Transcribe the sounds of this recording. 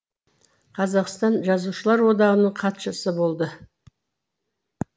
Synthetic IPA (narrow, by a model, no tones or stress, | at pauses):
qʰɑzɑqst̪ɑnʒɑzuʃəlˠɑɾwo̞d̪ɑʁənəɴqʰɑt̪ʃəsəbo̞lˠd̪ə